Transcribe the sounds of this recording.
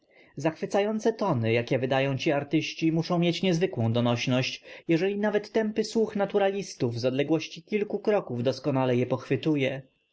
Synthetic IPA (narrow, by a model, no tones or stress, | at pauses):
zaxfɘt̪sajɔnt̪sɛt̪ɔnɘjakʲɛvɘd̪ajɔ̃w̃t͡ɕiaɾt̪ɘɕt͡ɕimuʂɔ̃w̃mʲjet͡ɕɲɛzvɘkwɔ̃w̃d̪ɔnɔɕnɔɕt͡ɕjɛʐɛlʲinavɛt̪ːɛmpɘswuxnat̪uɾalʲist̪uvzɔd̪lɛɡwɔɕt͡ɕikʲilkukɾɔkuvd̪ɔskɔnalɛjɛpɔxfɘt̪ujɛ